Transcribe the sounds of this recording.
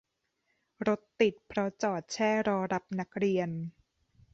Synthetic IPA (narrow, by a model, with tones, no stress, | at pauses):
ɾo˦˥t̪ːi˨˩t̪̚pʰɾɔ˦˥t͡ɕɔː˨˩t̪̚t͡ɕʰɛː˥˩ɾɔː˧ɾa˦˥p̚na˦˥k̚ɾi˧ən